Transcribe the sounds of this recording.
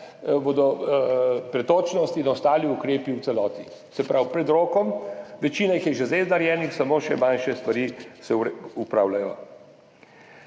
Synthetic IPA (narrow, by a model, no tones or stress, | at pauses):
boːd̪ɔ | pɾɛt̪oːt͡ʃnɔst̪inɔst̪aːliukɾeːpiwt̪sɛlɔːt̪ḭ | sɛpɾawpɾɛd̪ɾoːkɔmʋɛt͡ʃiːnaixjɛʒezeznaɾjɛːnixsamoːʃɛmanʃɛst̪ʋaɾiːsɛupɾaːwlajɔ